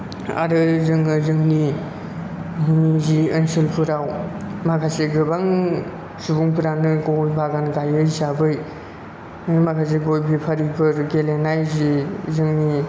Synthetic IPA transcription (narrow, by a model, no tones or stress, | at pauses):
a̰ɾɯzɯŋɯzɯŋni | ziɯnsɯlpʰɯɾawmakʰaseɡɯbaŋ | subuŋpʰɯɾanɯɡojbʱaɡanɡajɯjzabɯj | makʰas̬eɡojbʰipʰaɾibɯɾɡelenajzizɯŋni